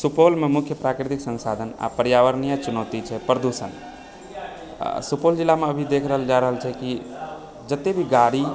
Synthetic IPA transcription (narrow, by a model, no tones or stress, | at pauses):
supolmemʊkʰjəpɾakɾit̪iksə̃nsad̪ʱəna̰pəɾjaʋəɾnijat͡ʃunət̪it͡ʃʰɛpɾəd̪usən | supold͡ʒilːameəbʱid̪ekʰɾəɦəld͡ʒaɾəɦəlt͡ʃʰɛki | d͡ʒət̪ebʱiɡaɽi